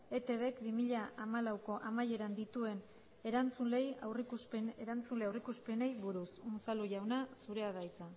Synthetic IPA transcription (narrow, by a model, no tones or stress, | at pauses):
e̞t̪e̞βe̞kbimiʎaamalawko̞ʔamaje̞ɾand̪it̪ue̞n | e̞ɾant͡sunle̞jawrikuspeneɾant͡sunle̞awrikuspe̞ne̞jβuɾususaluʝawnasuɾe̞aðajt͡sa